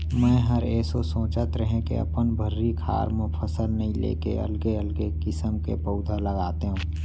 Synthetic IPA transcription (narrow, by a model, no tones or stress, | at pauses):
mɛ̃ːɦəɾeːsosõːt͡ʃət̪ɾəɦẽkḛɐ̰pənbʱəɾːikʰa̰ːɾmʊ̃pʰəsəlnɐɦĩlḛːkeɐ̰lɡeəlɡekɪsəmkḛpəʊd̪ʱələɡaːt̪eɦũː